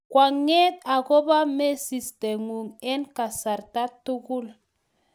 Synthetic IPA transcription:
kwa˨ŋe˦t̪̚a˨ɣɔ˦ba˦me˦si˨st̪e˨ŋu˨ŋe˦nka˨sa˨ɾt̪a˦t̪u˦ɡu˦l

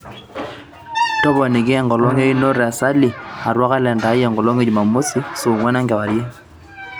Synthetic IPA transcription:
tɔ˦bɔ˨ni˨ɡɪ˦ŋɡɔ˨lɔ˦ŋe˦jno˦ɾɛ˨sa˦li˨a˨ɾwa˦ka˦lɛ˨nda˨˦jɛ˨ŋɡɔ˨lo˦ŋe˦d͡ʒma˨mo˦si˦so˨ŋwɛ˦na˦ŋɡɛ˨wa˨ɾje˦

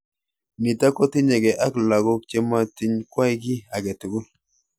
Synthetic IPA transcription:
ni˨ta˦kɔ˦ti˦ɲɛ˨ɡɛ˨ʔa˦kla˨ɡo˦k̚t͡ʃe˦ma˦ti˦ɲkwa˦jɡ̬i˦a˨ɡɛ˨tu˨ɡu˦

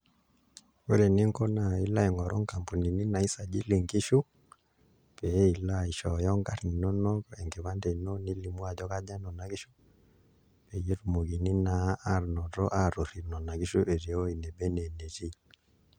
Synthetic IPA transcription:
we˦ɾɛ˨ni˦ŋkɔ˦na˨i˦la˦i˨ŋɔ˨ɾɔ˦ŋka˨mpu˨ni˨ni˦na˨i˦sa˨d͡ʒi˦li˨ŋɡi˦ʃu˦ | pɛ˨˦i˨la˦i˨ʃɔ˨jɔ˦ŋɡa˦ɾni˨nɔ˦nɔ˦kɛ˨ŋɡɛ˨βa˦ndɛ˨no˦ni˦li˨˦mwa˨d͡ʒɔ˦ka˦d͡ʒa˦nɔ˨na˨ki˦ʃu˦ | pe˨ji˦ɾu˨mo˨ɡi˨ni˦na˨˦a˦ɾnɔ˨ɾɔ̰˦ʔa˦ɾo˨ɾi˨nɔ˨na˨ki˦ʃu˦ʔe˨ɾi˨o˦i˨nɛ˨bɛ˦nɛ˨ne˨ɾi˦

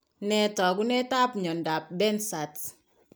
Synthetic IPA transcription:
nɛ˨tɔ˨k̬u˦nɛ˦ta˦pɲɔ˨n˨da˨p̚bɛ˦nsa˨t

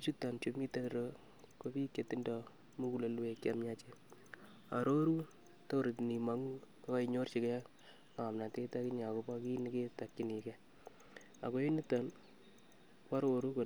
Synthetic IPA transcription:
i˦t͡ʃu˦ta˨nt͡ʃo˨mi˦te˦ɾo˦ | ko˦pi˦kːe˨ti˦ndɔ˨ | mu˦ku˨le˨lwe˨kːa˨mɲa˦t͡ʃe˦ | a̰˨ɾo˦ɾu˦ | to˦ɾi˨tni˨ma˨ŋu˦ | a˦ka˦i˨ɲo˦rt͡ʃi˨kɛ˦ | ŋa˨mna˨te˦ta˦ki˦ɲa˨ko˨˦pa˦ki˦ni˦ke˦ta˨kːi˦ni˨kɛ˦ | a̰˨ko˦e˦ni˦ta˨n | ka˦ɾo˨ɾu˦ko˨

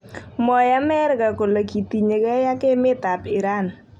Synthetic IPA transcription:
mɔ˨ja˦mɛ˦ɾka˨ko˨lo˨ki˨ti˨ɲe˨kɛ˦ja˦ke˦mɪ˦ta˨pɪ˨ɾa˦˨n

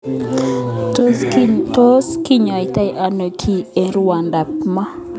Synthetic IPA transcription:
to˦ski˦ɲɔ˨ɪ˨ta˦jʔa˨no˨kʰi˦e˨nɾwa˨nda˨p̚ma˦

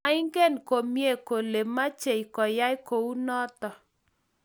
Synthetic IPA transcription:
a˦ɪ˦ŋɡe˦˨nko˨mje˦˨ko˨le˨ma˦t͡ʃe˨jkɔ˨ja˦jko˨u˦nɔ˦t̪ɔ˨

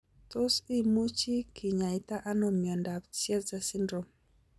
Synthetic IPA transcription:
t̪o˦si˦mu˦t͡ʃi˦kʰi˨ɲa˨i˨t̪a˦ʔa˦nɔ˨mjɔ˨nda˨bsjɛ˦tza˦sɪ˦ndɾo˨m

